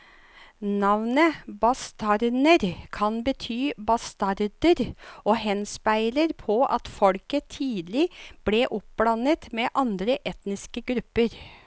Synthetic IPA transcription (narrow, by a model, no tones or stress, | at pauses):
nɑʋnəbɑst̪ɑɾnəɾkʰɑnbət̪ʰyːbɑst̪ɑɾd̪əɾoːhɛnspæɪləɾpʰɔʔɑ̰t̪fɔlkət̪ʰiːd̪lɪb̥leʔʊp̚blɑnət̪mɛʔɑnd̪ɾəʔɛt̪nɪskəɡɾʉpːəɾ